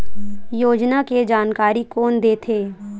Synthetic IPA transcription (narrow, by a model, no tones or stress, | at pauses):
joːd͡ʒnaked͡ʒaːnkaːɾikoːnd̪eːt̪ʰeː